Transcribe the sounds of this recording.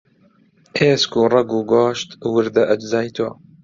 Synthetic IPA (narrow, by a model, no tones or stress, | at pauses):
eːskurˤɐɡuːɡaːʃt̪wɨɾd̪ɐʔɐd͡ʒzɑːjt̪ʰa̰ː